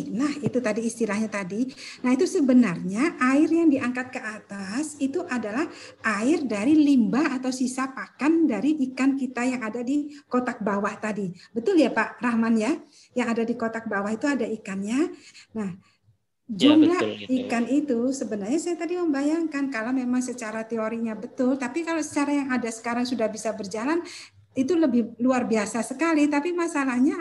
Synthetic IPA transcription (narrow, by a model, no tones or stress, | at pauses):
lahit̪ut̪adiːst̪ilahɲat̪adinahit̪usəbənarɲaʔaɪrjaŋdiʔaŋkat̪̚kəʔat̪asit̪uʔadalahʔaɪrdaɾilimbaːt̪awsisapakandaɾiʔːkankit̪ajaŋadadikot̪ak̚bawaht̪adibət̪ʊljapaʔrahmanja | jaŋadadikot̪ak̚bawahit̪uadaikanɲanah | d͡ʒumlaikanit̪usəbənarɲasajat̪adiməmbajaŋkankalawmemaŋsət͡ʃaɾat̪eoɾikɲabət̪ʊlt̪apikalosə̥t͡ʃaɾajaŋadasə̥kaɾaŋsudahbisabərd͡ʒalan | it̪uləbɪhluarbiasasəkalit̪apimasalahɲa